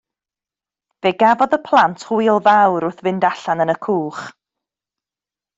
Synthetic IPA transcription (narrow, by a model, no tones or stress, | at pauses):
veɡavɔðəpʰlˠantʰhʊjlˠvawɾʊθvɪndaɬanənəkʰuːχ